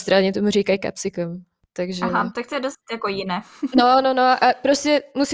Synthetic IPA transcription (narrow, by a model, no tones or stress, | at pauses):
st̪ɾaɲɛt̪omuriːkajka̰psɪkɛm | t̪aɡʒaɛɦat̪ak̚t̪ojɛdost̪jakojɪnɛnononoʔapɾoscɛmus